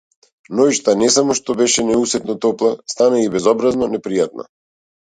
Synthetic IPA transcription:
nɔiʃt̪anɛsamɔʃt̪ɔbɛʃɛnɛusɛt̪nɔt̪ɔplˠast̪anaibɛzɔbɾaznɔnɛpɾijat̪̚na̰

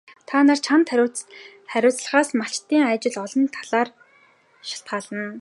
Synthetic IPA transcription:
t̪ʰaːnaːrt͡ɕʰant̪ː | χæɾʲʊːt͡sɮə̥̆χaːsmat͡ɕt̪ːiːŋæːt͡ɕɪ̆ɮɔɮɞ̆nt̪ʰaɮaːr | ʃḁɬt̪̚ɢaːɮə̆n

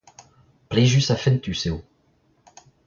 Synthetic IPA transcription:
pleʒysafɛnt̪yseo

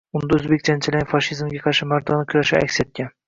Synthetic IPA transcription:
ʊnd̪aɵzbekʲt͡ʃ̪ant͡ʃʰɪlafɒʃizmɡʲaqʰɑɾʃɪmaɾd̪ɒnɪkʲʰʊɾaʃɪa̰kʲset̪̚kʲan

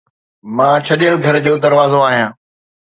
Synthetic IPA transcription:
mãːt͡ɕʰɐɗijəlɡʱɐɾd͡ʑoːd̪ɐɾʋaːzoaːɦijãː

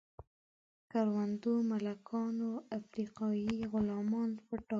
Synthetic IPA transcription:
kaɾwand̪omalakʰɑnoafɾiqɑjiɣʊlɑmɑnpəʈɑ

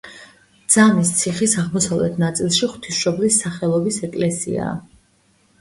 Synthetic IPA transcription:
d̪z̥anist̪sʰiχisaʁmɔsavlɛt̪ʰnat̪sʼilˠʃiχwt̪ʰisʃɔblisːaχɛlˠɔbisɛkʼlɛsḭa̰

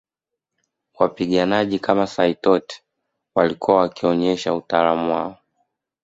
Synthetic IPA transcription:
wapiɠanaʄikʰamasaitɔt | walikuawakiɔɲɛʃautalamuwa̰ɔ

